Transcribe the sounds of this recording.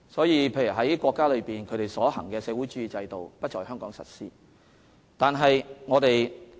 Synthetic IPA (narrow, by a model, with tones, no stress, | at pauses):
sɔː˨˥jiː˨˧pʰe˧jyː˨˩ɦɐ˨˥jkʷɔː˧kːaː˥lɵ˨˧ɥpiː˨nkʰɵ˨˧ɥt̪e˨jsɔː˨˥hɐ̰˨˩ŋkɛː˧sɛː˨˧wu˨˥jt͡ʃyː˨˥jiː˨˩t͡sɐ˧jt̪o˨wpɐ˥t̚t͡ʃɔː˨˩jhœː˥ŋkɔː˨˥ŋsɐ̰˨˩t̚siː˥ | t̪aː˨nɦɐ˨jŋɔː˨˧t̪e˨j